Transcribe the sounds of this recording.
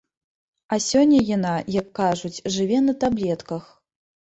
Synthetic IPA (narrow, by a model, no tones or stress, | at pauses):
ɐsʲɔnʲːɐjanajɐkːaʐut͡sʲʐɨvʲɛnɐt̪ablʲɛt̪kɐx